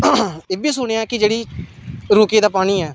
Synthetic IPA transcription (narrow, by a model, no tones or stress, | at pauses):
eːbiːsʊɽ̃eːãːkɪd͡ʒeːɽiːɾuːkeːd̪aːpaːɽ̃iːɛː